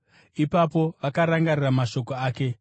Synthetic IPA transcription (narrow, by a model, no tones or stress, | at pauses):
ipapo̞ʋakaɾaŋɡariramaʃo̞ko̞aːke̞